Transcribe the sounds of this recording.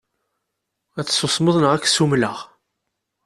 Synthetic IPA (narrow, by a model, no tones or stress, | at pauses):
æt͡sːsosˤməðˤnəʁækːsumləʁ